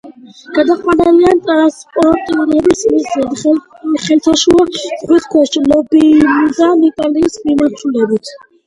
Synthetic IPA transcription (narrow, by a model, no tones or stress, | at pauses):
ɡ̥ad̪aχʼwanaliant̪ʼaaspʼɔɾɔt̪ʼiuɾɛbismisɛ | χɛlt̪ʰaʃuḁʁwɛt̪ʰkʰwɛʃʃilɔbid̪anɛt̪ʼaliːsmimaɾt͡ʃ̪ʰulɛbit̪ʰ